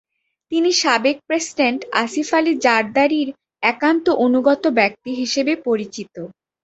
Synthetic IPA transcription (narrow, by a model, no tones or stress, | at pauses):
t̪iniʃabek̚pɾesiɖeɳʈa̰sifalid͡ʑaɾd̪aɾiɾ | ɛkant̪oʔonuɡɔt̪obɛk̚t̪iɦiʃebepoɾit͡ɕit̪o